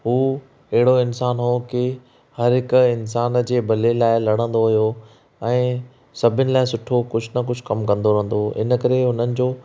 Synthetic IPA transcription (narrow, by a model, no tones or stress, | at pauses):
ɦuː | ɐɦɪɽoɪnsaːnɦokɪ | hɐɾɦɪkʊɪns̬aːnd͡ʑeːbʱɐlelaːɪlɐɽ̤̃ə̃nd̪oɦijo | ɛ̃ː | sɐbʱɪnɪ̆laːɪsʊʈʰokʊd͡ʑʱʊnɐk̬ʊd͡ʑʱʊ̆kɐmkɐ̃nd̪oɾɐ̃ɦnd̪oɪ̰nə̆kɐɾeɦʊn̤ənɪ̆d͡ʑoː